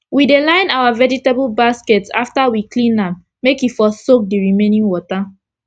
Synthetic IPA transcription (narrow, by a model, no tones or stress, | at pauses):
widelãɪ̃nawavɛd͡ʒitebulbaskɛtsa̰ftawiklĩnãm | mekifɔsok̚diɹimẽnĩnwɔta